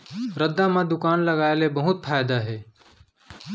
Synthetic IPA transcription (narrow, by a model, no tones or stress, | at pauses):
ɾəd̪ːamãd̪ʊkaːnlɐɡaːelebɐɦʊt̪fʰaːjd̪aɦɛː